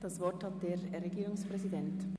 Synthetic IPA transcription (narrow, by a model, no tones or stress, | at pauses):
d̥ɑsvɔɾthat̚d̥eːɾeɡiːʁʊŋspʁɛzidɛnt